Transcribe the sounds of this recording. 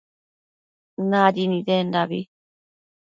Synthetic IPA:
naɾinidendaβḭ

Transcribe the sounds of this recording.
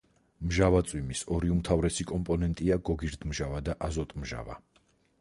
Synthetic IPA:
mʒavat̪sʼwimisɔɾiumt̪ʰavɾɛsikʼɔmpʼɔnɛnt̪ʼiaɡɔɡiɾd̪mʒavad̪aʔazɔt̪ʼmʒa̰va̰

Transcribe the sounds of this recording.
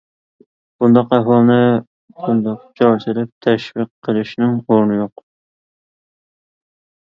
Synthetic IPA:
b̥ʊnd̪ɒqæfɑlˠnɪ | bʊnd̪ɑqt͡ʃʰɒɾt͡ʃ̪ʰɪlɪp̚t̪ʰæʃvɨqʰːəlˠɪʃnɪŋoɾnɪjoq

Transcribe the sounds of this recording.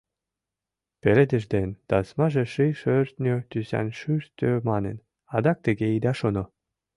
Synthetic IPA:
pelʲed̪ɘ̆ʒd̪enʲt̪ɑsmɑʒĕʃɨjʃørt̪nʲøt̪ysæ̰nʲʃyʃt̪ʲømɑnḛ̆n | ɑd̪ɑk̚t̪ĕɡʲeid̪æʃonŏ

